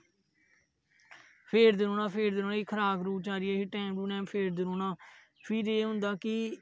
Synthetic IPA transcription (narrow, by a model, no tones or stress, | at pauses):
pʰeːɾd̪ɪɾõːnãːpʰeːɾd̪ɪɾõːnãiːkʰəɾaːɡɾuːt͡ʃaːɾɪeːkɪːʈɛːmɾuːnɛ̃ːmpʰeːɾd̪ɪɾoːnãː | pʰiːɾeːɦʊ̃nd̪aːkɪ